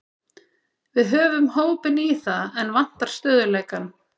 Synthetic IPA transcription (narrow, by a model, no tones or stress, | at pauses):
vɪðɦœːvʏmhoːwpɪniθaðɛnvan̥t̪aɾ̥st̪œːðʏleːjkan